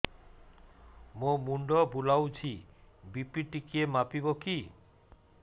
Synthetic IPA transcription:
momuɳɖɔbulawt͡ʃʰibipiʈikiemapibɔki

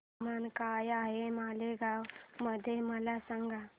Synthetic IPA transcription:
mankajaɦemaːleɡawməd̪ʱeməlasəŋɡʱa

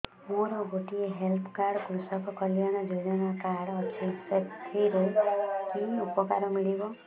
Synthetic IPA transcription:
moɾɔɡoʈieɦelpʰkaɾɽkɾusɔkɔkɔlijaɽ̃ɔd͡ʒod͡ʒɔnakaɽɔt͡ʃʰit̪et̪ʰiɾojkinupɔkaɾɔmiɭibɔ

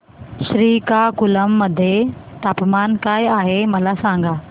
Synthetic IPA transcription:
ɕɾiːkakuləmːəd̪ʱːjet̪apmankajaɦeməlasãŋɡa

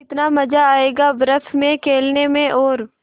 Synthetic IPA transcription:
ɪt̪namɐd͡ʒaaːeːɡabɾəfmẽkʰeːlnemẽʔɔːɾ

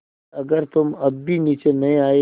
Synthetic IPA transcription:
ɐɡəɾt̪ʊmɐbːʱiniːt͡ʃenɐɦĩaːe

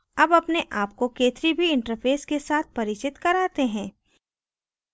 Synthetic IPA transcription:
ɐbɐpneʔaːp̚kokeːt̪ɾibʱiɪ̃ɳʈəɾpʰeːskesaːt̪̚ʰpɐɾɪt͡ʃɪt̪kɐɾaːt̪eɦɛ̃ː

